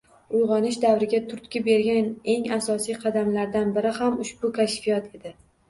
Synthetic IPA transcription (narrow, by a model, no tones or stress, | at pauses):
ʊjʁɒnɪʃd̪avɾɪɡʲat̪ʰʊɾt̪kʲɪbe̞ɾɡʲane̞ŋasɒsijqʰɑd̪amlaɾd̪anbɪɾɪhamʊʃbʊkʲʰaʃfijɒt̪ʰe̞d̪ɪ